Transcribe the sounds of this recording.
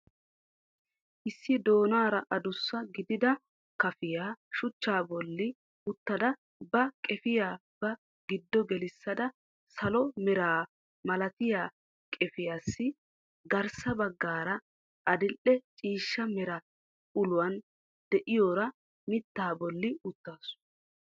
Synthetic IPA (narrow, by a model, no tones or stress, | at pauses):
ʔɪsːɪd̪o̞ːnaːɾɐʔɐd̪ʊsːɐɡɪd̪ɪd̪ɐ | kɐfɪjaːʃʊt͡ʃːaːbɔlːɪ | ʊt̪ːɐd̪ɐ | bɐkʼɛfɪjaːb̥ɐ | ɡɪd̪ːɔɡɛlɪsːɐd̪ɐ | sɐlɔmɛɾaː | mɐlɐt̪ɪjaː | kʼɛfɪjasːɪ | ɡɐɾsɐbɐɡːaːɾɐ | ʔɐd̪ɪlʔɛt͡ʃʼiːʃːɐmɛɾɐ | ʊlʊwɐn | d̪̥ɛʔɪjoːɾɐ | mɪt̪ːaːbɔlːɪʊt̪ːaːs